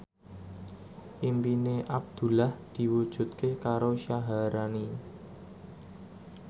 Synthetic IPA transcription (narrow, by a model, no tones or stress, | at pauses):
ʔimpineʔab̚d̪̥ṳlahd̪̥i̤wud̥ʒ̥ṳt̪̚kekaɾoʃaɦaɾani